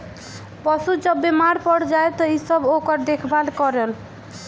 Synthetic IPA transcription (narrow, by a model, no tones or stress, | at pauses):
pɔsud͡ʒʌbːemaɾpɔɽd͡ʒajt̪ɔisʌbokʌɾd̪ekʰbalkɔɾel